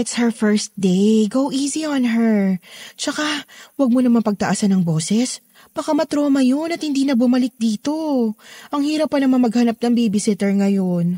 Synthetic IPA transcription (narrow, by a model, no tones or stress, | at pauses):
ɛt̪shɛɹfɛɹst̪̚d̪ejɡowʔiːziɔnɦɛɹt͡ʃɐkawɐɡ̚monɐmanpɐɡ̚t̪ɐʔaːsɐnɐŋbo̞ːsɛs | b̥ɐkamɐt̪ɾoːmɐjo̞nɐt̪hɪnd̪iːnɐbʊmɐlɪk̚d̪iːt̪o̞ʔɐŋhiːɾɐpːɐnɐmɐnmɐɡhɐnɐp̚nɐŋbibɪsɪt̪ɛɹŋɐjon